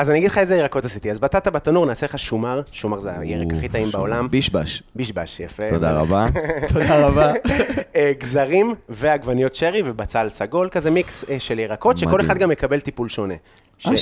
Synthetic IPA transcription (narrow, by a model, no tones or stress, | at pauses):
azanijaɡid̪lχaezeiʁako̞t̪asit̪iazbat̪at̪abat̪anuʁnaːseleχaʃumaʁʃumaʁzea̰jeʁekaχit̪aimbaolambiʃba̰ʃbiʃbaʃjafet̪od̪a̰ʁa̰bat̪ʰodaʁabaeɡzaʁimveaɡvanijotʃeʁivebat͡salsaɡo̞lkazemikseʃeliʁako̞t̪ʃeko̞leχad̪ɡamjekabe̞lt̪ipulʃo̞ne | ʃae